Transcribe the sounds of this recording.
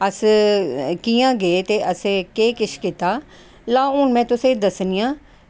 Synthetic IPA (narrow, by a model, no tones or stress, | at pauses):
əs | kiːãːɡeːt̪eːʔəskeːkɪʃʰkiːt̪aː | laːoːnmɛ̃ːt̪ʊsẽːd̪əsnɪjãː